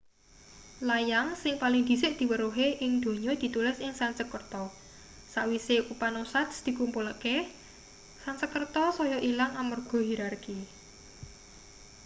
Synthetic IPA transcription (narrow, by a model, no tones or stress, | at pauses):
lajaŋsɪŋpalɪŋd̪̥i̤sɪʔd̪̥i̤wəɾuɦeʔɪŋd̪̥o̤ɲɔd̪̥i̤t̪ulɪsɪŋsansəkərt̪ɔ | saʔwiseʔupanosasd̪̥i̤kumpuləke | sant͡ʃəkərt̪ɔsɔjɔʔilaŋamərɡ̥ɔ̤ɦiɾarki